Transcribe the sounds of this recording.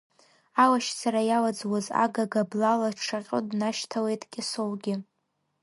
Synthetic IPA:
awaʃd͡zaɾajawad͡zwaza̰ɡaɡablalaʈ͡ʂʰaqʲʼo̰dnaʃtʰawejtʼkʲʼɪsowɡʲɪ

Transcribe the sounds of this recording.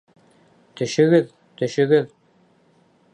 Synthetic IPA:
t̪ɵ̆ʃɘ̆ɡɘð | t̪ɵ̆ʃɘ̆ɡɘð

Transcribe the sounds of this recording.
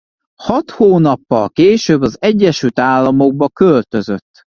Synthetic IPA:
hɒt̪hoːnɒpːɒlkeːʃøːbːɒzɛɟːɛʃylt̪aːlːɒmo̞ɡ̚bɒkølt̪ø̞zø̞t̪ː

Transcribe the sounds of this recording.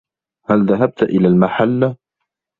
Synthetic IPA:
halðaɦab̚t̪ʔɪlaːlmaħalːa

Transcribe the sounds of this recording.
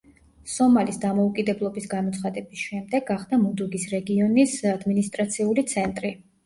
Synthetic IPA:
sɔmalisd̪amɔukʼid̪ɛblˠɔbisɡamɔt̪sʰχad̪ɛbisʃɛmd̪ɛɡaχd̪amud̪uɡisɾɛɡiɔnisad̪minist̪ʼɾat̪sʰiulit̪sʰɛnt̪ʼɾi

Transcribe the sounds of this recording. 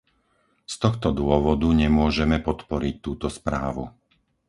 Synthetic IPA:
st̪ɔxt̪ɔd̪ʊɔʋɔd̪uɲɛmʊɔʒɛmɛpɔt̪pɔɾic̚t̪uːt̪ɔspɾaːʋṵ

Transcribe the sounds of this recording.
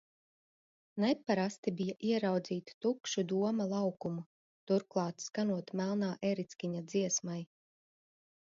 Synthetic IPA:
nɛpːaɾast̪ibijaʔiɛɾawd̪ziːt̪t̪ukʃud̪uɔmalˠɑwkumu | t̪uɾklˠɑːt̪skanuɔt̪mælˠnaːʔeɾit̪skʲiɲad̪ziɛsmaj

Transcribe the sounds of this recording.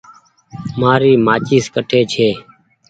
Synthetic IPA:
maːɾiːmaːt͡ʃiːskəʈʰeːt͡ʃʰeː

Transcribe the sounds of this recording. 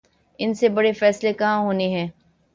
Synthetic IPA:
ɪnsebɐɽefɛːslekɐɦãɦoːneɦɛ̃ː

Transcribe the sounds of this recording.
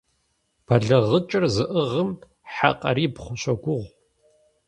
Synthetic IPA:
b̥ɐɮɐʁət͡ʃʼɪrzɨʔɨʁəm | ħa̰qʼɐ̰ɾiːpχʷʊɕʷɐɡʷʊʁʷ

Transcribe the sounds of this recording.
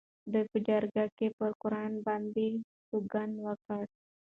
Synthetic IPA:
dəpəd͡ʒarɡakepərkuɾaanbandi | tuɡanwakat̪̚

